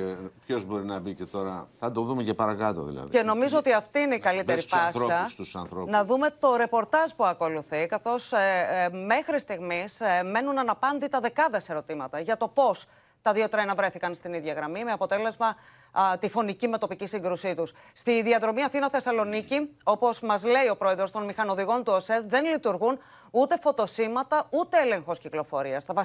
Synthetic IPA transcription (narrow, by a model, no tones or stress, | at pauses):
epço̞zbo̞ɾinɐbicet̪o̞ɾɐθɐd̪oðumecepɐɾɐkɐt̪o̰ðḭlɐ̰ð̰eno̞mizoot̪iɐft̪iineikɐlit̪eɾifɐsiɐsusɐnθɾonɐðume̞t̪o̞ɾe̞po̞ɾt̪ɐzpuɐko̞luθikɐθo̞s | me̞xɾist̪iɣmisme̞nunɐnɐpɐnd̪it̪ɐðe̞kɐðe̞se̞ɾo̞t̪imɐt̪ɐʝɐt̪o̞po̞s | t̪ɐðio̞t̪ɾɐnɐvɾe̞θikɐnst̪iniðʝɐɣɾɐmimeɐpo̞t̪e̞le̞zmɐ | t̪ifo̞nicime̞t̪o̞picisiŋɡɾusit̪us | st̪iðiɐðɾo̞miɐθinɐθe̞sɐlo̞nicio̞po̞zmɐzle̞io̞pɾo̞e̞ðɾo̞st̪o̞nmixɐno̞ðiɣo̞nt̪uoseðe̞nlit̪uɾɣun | ut̪e̞fo̞t̪o̞simɐt̪ɐut̪e̞ele̞ŋxo̞sciklo̞fo̞ɾiɐst̪ɐvɐ